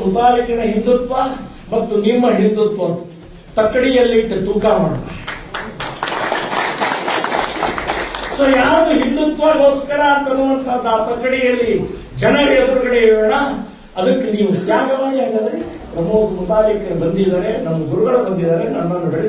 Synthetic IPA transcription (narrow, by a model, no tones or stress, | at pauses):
mupaːlikɐnɐɦind̪ut̪ʋɐ | mɐt̪ːunimːɐɦind̪ut̪ʋɐ | t̪ɐkːɐɽijɐlːiʈːɐt̪uːkaːmaːɽt̪a | soːjaːd̪uɦind̪ut̪ʋɐɦoːskɐɾɐːnt̪ɐnːuʋɐnt̪ʰɐnaːt̪ɐkːɐɽijɐlːi | d͡ʒɐnɐɾɐbuɾuɡɐɽeɭːɳɐ | ɐd̪ɐkːeniːʋut̪jaːɡɐʋaːniaŋɡɐd̪e | pɾɐmoːd̪mubaːlikɐɾɐbɐnd̪id̪aːɾe̞nɐmːɐɡuɾuɡɐɭebɐnd̪id̪aːɾenɐnːɐnːubeɭ